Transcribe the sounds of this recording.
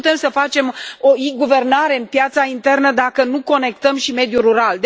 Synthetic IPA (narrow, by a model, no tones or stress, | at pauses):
ut̪e̞msəfat͡ʃe̞moiɡuve̞rnaɾe̞ɨnpjat̪saint̪e̞rnəd̪akənuko̞ne̞kt̪əmʃime̞d̪juɾuɾald̪